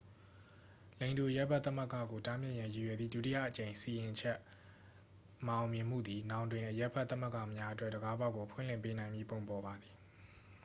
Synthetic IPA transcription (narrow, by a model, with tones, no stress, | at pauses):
lẽ˨ɪ̃ndu˨ʔəjɛ˦pʰɛ˦˨t̪θə˦mə˦˨kä̰˦˨ɡo˨tã˦mjɪ̃˦ʔjã˨ji˨jɛ˨d̪ðḭ˦˨dṵ˦ti˦˨jä̰˦˨ʔət͡ɕẽ˨ɪ̃si˨jɪ̃˨t͡ɕʰɛ˦ʔ | məʔã˨ʊ̃mjɪ̃˨m̥ṵ˦˨d̪i˨nã˨ʊ̃ndwɪ̃˨ʔəjɛ˦pʰɛ˦t̪ːə˦mə˦kä̰˦˨mja˦ʔə˦twɛ˦ʔdəɡa˦ba˦ɡo˨pʰwɪ̰̃˦˨l̥ɪ̰̃˦˨mpe˦nã˨ɪ̃mbji˦põ˨ʊ̃mpɔ˨ba˨d̪i˨